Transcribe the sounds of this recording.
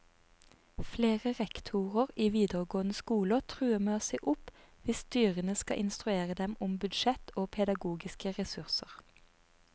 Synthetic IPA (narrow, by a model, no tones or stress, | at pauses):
fleːʁəʁɛkt̪ʰuːʁəʁiːʋiːd̪əʁɡoːənəskuːlət̪ʰʁʉːəmeːsɛɪʔʊpʋɪst̪yːʁənəskɑ̰ʔɪnst̪ʁʉeːʁəd̪ɛmʊmbʉd̪ʃɛt̪oːpʰɛd̪ɑɡuːɡɪskəʁɛsʉʁsəʁ